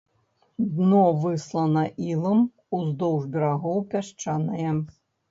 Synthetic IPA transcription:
d̪nɔvɨslˠɐnɐʔilˠɐm | uzd̪ɔwʐbʲɛɾaɣɔwpʲaʂt͡ʂanɐjɛ

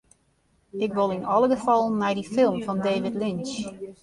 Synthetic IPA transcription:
ɪkʋolˠinɔlˠəɡəfɔlˠmɛjdifɪlˠmfɔndeːvɪtlɪns

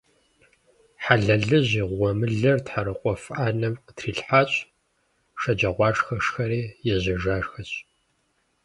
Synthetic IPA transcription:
ħaɮɐɮɨʑiːʁʷɔmɨɮɐrtħaɾɨqʷʼɔfʔaːnɐmətʰriːɬħaːɕʼ | ʂɐd͡ʒɐʁʷɑːʂxɐʂxɐɾiːjɛʑɪʒaːʂxɐɕʼ

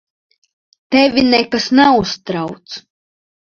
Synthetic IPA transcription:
t̪ɛvʲinɛkasnɛust̪ɾawt̪s

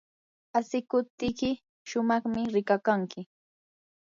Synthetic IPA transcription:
asɪkʊp̚t̪ɪkɪ | ʃʊmɑχmɪɾɪkakaŋkɪ

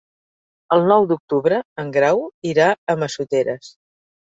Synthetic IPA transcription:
əlˠnɔwd̪uk̚t̪uβɾəəŋɡɾawiɾaəməsut̪eɾəs

